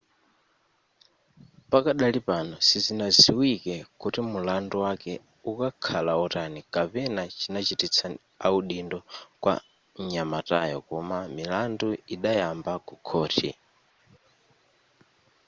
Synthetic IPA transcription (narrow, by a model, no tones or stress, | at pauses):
pakaɗalipanɔsizinaziwikɛkutimulanduwakɛ | ukakʰalaɔtanikapɛnat͡ʃinat͡ʃitit͡sʰa | auɗindɔkwa̰ | ɲamatajɔ̰kɔmamilanduiɗajambakukʰɔːtʰḭ